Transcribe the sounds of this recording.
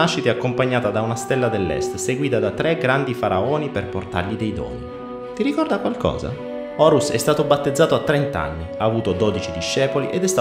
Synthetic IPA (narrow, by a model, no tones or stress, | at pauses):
aʃːit̪eakːompaɲːaːt̪ad̪aunast̪ɛlːad̪elːɛ̰st̪seɡwiːt̪ad̪at̪ɾɛɡɾand̪ifaɾaoːniperport̪a̰rʎid̪ejd̪ɔ̰ːni | t̪iɾikɔrd̪akwalkɔ̰ːza̰ | ɔːɾusɛ̰st̪aːt̪obat̪ːed̪zːaːt̪oat̪ːɾent̪a̰nːiaːvuːt̪od̪ɔd̪it͡ʃid̪iʃːɛːpoliʔed̪ɛst̪